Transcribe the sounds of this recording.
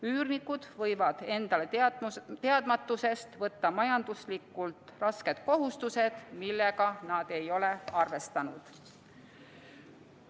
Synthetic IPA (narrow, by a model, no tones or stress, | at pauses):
yːrnikːˑud̪̥vɤjvɑd̪̥e̞nd̪̥ɑle̞t̪e̞ɑd̪̥mɑt̪ːˑuse̞st̪vɤt̪ːɑmɑjɑnd̪̥uslikːˑult̪ˑrɑske̞d̪̥ko̞ɦust̪use̞d̪̥milːe̞ɡɑnɑd̪̥e̞jo̞le̞ɑrve̞st̪ɑnud̪̥